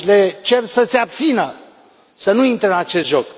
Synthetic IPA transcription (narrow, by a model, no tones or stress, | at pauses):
let͡ʃe̞rsəseab̚t̪sinə | sənuint̪ɾeɨnat͡ʃe̞st̪ʒok